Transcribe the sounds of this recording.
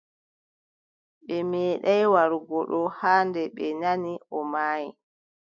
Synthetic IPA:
ɓɛmɛːɗajwaɾuɡɔɗɔhaːndɛɓɛnaniɔmaːji

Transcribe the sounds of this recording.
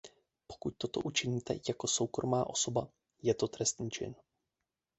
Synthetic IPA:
po̥kuc̚t̪o̞t̪o̞̰ʔut͡ʃɪɲiːt̪ɛ̰jako̞so̞wkɾʔo̞maːʔo̞so̞ba | jɛt̪o̞t̪ɾɛst̪ɲiːt͡ʃɪ̰n

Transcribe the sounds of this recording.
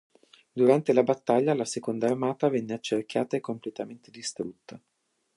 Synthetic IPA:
d̪uɾant̪elabat̪ːaʎːalasekond̪aːrmaːt̪avɛnːeat͡ʃːerk̟jaːt̪aekːomplet̪ament̪ed̪ist̪ɾut̪ːa

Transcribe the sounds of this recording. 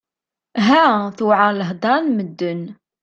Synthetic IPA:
ɦæθuʕaləɦd̪ˤɑnməd̪ːən

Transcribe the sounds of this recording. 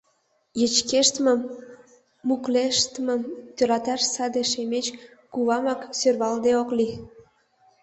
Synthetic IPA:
jə̆t͡ɕkeʃt̪mə̆mː | ukleʃt̪mə̆mt̪øɾɑt̪ɑʃsɑd̪eʃemet͡ɕ | kuβɑmɑksørβɑld̪eokli

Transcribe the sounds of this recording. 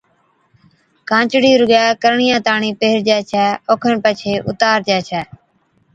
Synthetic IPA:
kãːt͡ʃɽiːɾʊɡaːkəɾɳɪjãːt̪aːɳĩːpeːɾd͡ʒɛːt͡ʃʰɛːoːkʰəɳpət͡ʃʰeːʔʊ̰t̪aːɾd͡ʒɛːt͡ʃʰɛː

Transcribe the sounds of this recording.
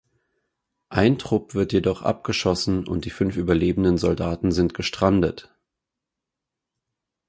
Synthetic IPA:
ʔaɪntʁ̥ʊpv̥ɪɐtjedɔχʔa̰p̚ɡ̥əʃɔsn̩ʊ̰nt̚d̥iːfʏnfʔyːbɐleːbn̩dənzɔldaːtn̩zɪntɡ̥əʃtʁ̥andət

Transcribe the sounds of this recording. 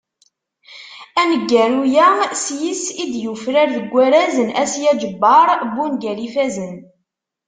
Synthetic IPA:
ænəɡːæɾujæsjisid̪jufɾaɾðəɡʷːæɾæzənæsjæd͡ʒəbːɑɾˤbunɡælifæzən

